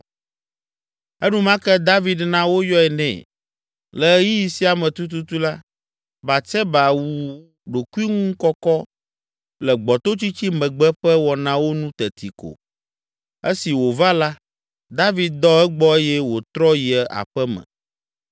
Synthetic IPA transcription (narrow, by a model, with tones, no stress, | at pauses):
ɛ˦nũ˦mã˦kɛ˦d̪a˦vi˨d̪nã˦wo˦jɔ˦ɛ˨nɛ̰̃˨ | lɛ˨˦ji˦ji˨si˦a˨mɛ̃˨t̪u˦t̪̬u˦t̪u˦la˦ | ba˨t͡ʃɛ˦ba˨wu˨ | ɖo˨ku˦i˦ŋũ˦ŋ̩˦kɔ˦kɔ˦ | lɛ˨ɡ͡bɔ˨t̪o˦t͡ɕi˦t͡ɕi˦mɛ̃˨ɡ͡bɛ˦ɸɛ˦wɔ˨nã˦wo˦nũ˦t̪ɛ˨t̪i˨ko̰˨ | e˦si˨wo˨va˦la˦ | d̪a˦vi˨d̪̚d̪ɔ˦ɛ˦ɡ͡bɔ˦e˦jɛ˦wo˨t̪ɾɔ˦ji˨ɛ˨a̰˨ɸɛ˦mɛ̰̃˨